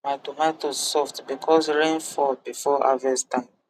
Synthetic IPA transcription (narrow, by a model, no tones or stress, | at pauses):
matumatosɔftbikʰɔsɹẽnfɔt̚bifɔa̰vɛstãnd